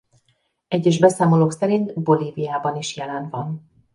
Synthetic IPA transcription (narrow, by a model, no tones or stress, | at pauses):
ɛɟːɛʒbɛsaːmoloːksɛɾint̪bo̞liːvijaːbɒniʃjɛlɛnvɒn